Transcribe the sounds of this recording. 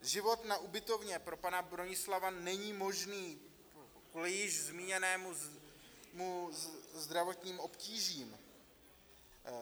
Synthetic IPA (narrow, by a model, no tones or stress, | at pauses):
ʒɪvo̞t̪naʔubɪt̪o̞vɲɛpɾo̞panabɾo̞ɲɪslavanɛɲiːmo̞ʒniː | kulɪjɪʒzmiːɲɛnɛːmu | muzd̪ɾavo̞t̪ɲiːmo̞pciːʒiːm